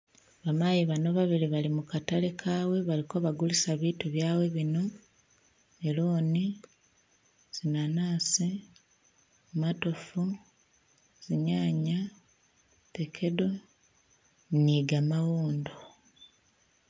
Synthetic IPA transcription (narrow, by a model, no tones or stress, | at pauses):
βamajiβano̞βaβiliβalimukatale̞kʰaːwe̞βaliko̞βaɡulisaβiːtuβjaːwe̞βino̞ | eloːni | z̥inanaːsi | matofu | z̥iɲaːɲa | te̞kʰe̞do̞ | niɡamawoːndo